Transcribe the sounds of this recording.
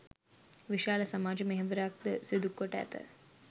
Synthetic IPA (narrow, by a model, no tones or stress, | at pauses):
ʋiʃaːləsamaːd͡ʒəmeɦeʋəɾɐak̚d̪əsid̪ukːoʈəæ̰t̪ə̰